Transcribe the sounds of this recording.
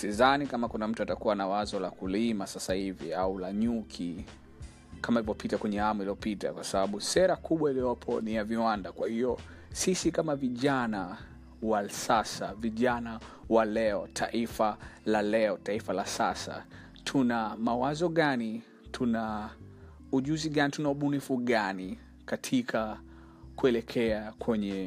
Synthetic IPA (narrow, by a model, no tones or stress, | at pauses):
sizanikamakunam̩tuatakuwanawazɔlakulimasasahiviaulaɲukʰi | kamailivɔpitakwɛɲɛhamuiliɔpita̰kwasaɓaɓusɛɾakuɓwailiɔpʰɔ̰nijaviwandakwahiɔ | sisikamaviʄana | wasasaviʄana | walɛɔtʰa̰ʔifalalɛɔtaifalasa̰sa̰ | tʰunamawazɔɠani | tʰuna | uʄuziɠanitunauɓunifuɠani | katʰikʰa | kuɛlɛkʰɛakwɛɲɛ